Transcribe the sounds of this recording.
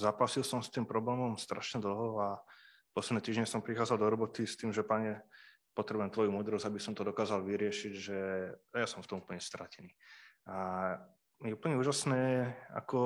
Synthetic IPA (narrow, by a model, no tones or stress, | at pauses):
zaːpasilsɔmst̪iːmpɾɔblɛːmɔmst̪ɾa̰ʃɲɛd̪l̩ɦɔa | pɔslɛd̪nɛt̪iːʒɲɛsɔmpɾixaːdd͡zald̪ɔɾɔbɔt̪ist̪iːmʒɛpaɲɛ | pɔt̪ɾɛbuʊjɛmt̪ʋɔjumuːd̪ɾɔzabisɔmt̪ɔd̪ɔkaːzalʋiɾɪɛʃiɟʒɛajasɔmft̪ɔmupl̩ɲɛst̪ɾacɛniːa | mɪɛupl̩ɲɛuːʒasnɛːɛa̰kɔ